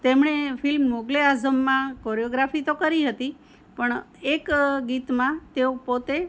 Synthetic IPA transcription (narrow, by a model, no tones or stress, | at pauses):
t̪emɳefɪlmːoɡleazəmːãkoɾijoɡɾafit̪okəɾiɦət̪i | pəɳ | ekɡit̪mãt̪eopot̪e